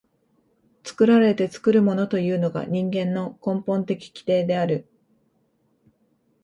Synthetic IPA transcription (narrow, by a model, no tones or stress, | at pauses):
t͡sɨ̥kɯ̟ɾaɾe̞t̪e̞t͡sɨ̥kɯ̟ɾɯ̟mo̞no̞t̪o̞jɯ̟ːno̞ɡa̰ɲ̟ĩŋɡẽ̞nːo̞kõ̞mpõ̞nt̪e̞kʲi̥kʲi̥t̪e̞ːd̪e̞aɾɯ̟